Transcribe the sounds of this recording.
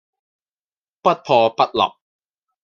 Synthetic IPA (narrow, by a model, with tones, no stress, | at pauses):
pɐ˦˥t̚pʰɔː˧pɐ˥t̚lɐ̰˨p̚